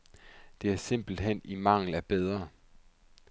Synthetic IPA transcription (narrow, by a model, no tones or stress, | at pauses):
d̥e̝æɐse̝m̰b̥l̩d̥ɦen̰imɑ̈ŋ̰l̩æɐb̥eð̞ˠʁɐ